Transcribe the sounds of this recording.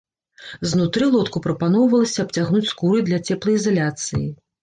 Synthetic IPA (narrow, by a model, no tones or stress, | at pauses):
znut̪ɾɨlˠɔt̪kupɾɐpanɔwvɐlˠɐsʲɐːp̚t͡sʲaɣnut͡sʲskuɾɨd̪lʲɐt͡sʲɛplˠɐjizalʲat̪sɨji